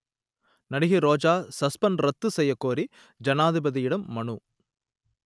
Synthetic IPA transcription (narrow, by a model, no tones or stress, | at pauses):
nɐɽɪɣiɾoːd͡ʒaːsɐspɐnɾɐt̪ːɯsɛjːɐkːoːɾi | d͡ʒɐnaːðɪbɐðijɪɽɐmːɐɳu